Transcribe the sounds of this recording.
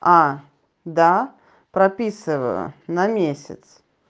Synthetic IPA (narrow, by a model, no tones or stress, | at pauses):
a | d̪a | pɾɐpʲisɨvə̰jʊ̰nɐmʲesʲɪ̰t̪s